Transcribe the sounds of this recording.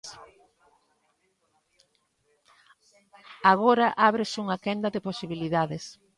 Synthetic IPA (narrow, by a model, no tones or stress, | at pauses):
aɣ̞oɾɐʔaβɾɪsuŋakɛnd̪ɐðɪposiβiliðaðes